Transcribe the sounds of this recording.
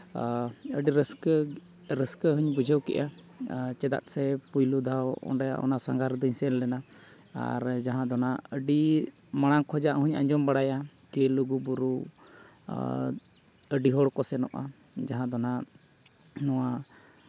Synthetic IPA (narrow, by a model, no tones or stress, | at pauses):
əɖiɾəskə | ɾəskəɦuɲbud͡ʒʱəwkɛ̰ʔa | t͡ʃɛd̪a̰t̪̚sɛpujlud̪ʱawɔ̰ɳɖaja̰ʔɔ̰nasaŋɡaɾd̪ɔɲsɛllɛna | a̰ɾd͡ʒaɦãd̪ɔnaəɖi | maɽ̃aŋkʰɔd͡ʒaʔɦuɲa̰ɲd͡ʒɔmbaɽaja | kɛluɡubuɾu | əɖiɦɔɽkɔsɛnɔ̰ʔa̰ | d͡ʒaɦãd̪ɔna | nɔwa